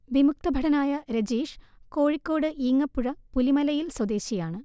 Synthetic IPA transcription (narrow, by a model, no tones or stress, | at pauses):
ʋimuk̚t̪ɐbʱɐɽɐnaːjɐɾɐd͡ʑeːʂ | ko̞ːɻikʲːo̞ːɽɨʔiːŋːɐpːuɻɐpulimɐlɐjilswɐd̪e̞ːɕijaːɳɨ